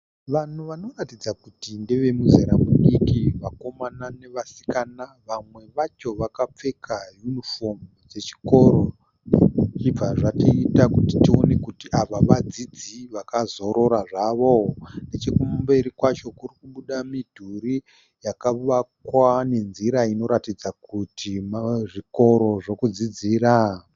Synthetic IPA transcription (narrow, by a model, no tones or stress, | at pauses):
ʋan̤uʋano̞ratid͡zakutindeʋe̞muzeɾamuɗikiʋako̞manane̞ʋasi̥kanaʋamwe̞ʋat͡ʃo̞ʋakap͡fe̞kʰajunifo̞m | d͡ze̞t͡ʃi̥ko̞ɾo̞ | t͡ʃib͡vaʐatiitakuti̥tio̞ne̞kutiʔaʋaʋad͡zid͡ziʋakazo̞ɾo̞ɾaʐaʋo̞net͡ʃekumbe̞ɾikwat͡ʃo̞kurikuɓuɗamidʱuri | jakaʋakwane̞nziɾaino̞ɾatid͡zakutʰimaʐiko̞ɾo̞ʐo̞kud͡zid͡ziːɾa